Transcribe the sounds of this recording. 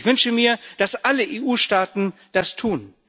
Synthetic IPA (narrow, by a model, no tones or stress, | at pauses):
çv̥ʏnʃəmiːɐd̥asʔaləʔeːʔuːʃtaːtn̩d̥astʰuːn